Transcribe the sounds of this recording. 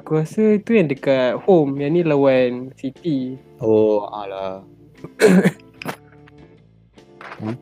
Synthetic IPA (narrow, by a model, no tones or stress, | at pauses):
kuasəit̪ujãŋdəkat̪̚homjanĩləwansit̪i | oa̰la | a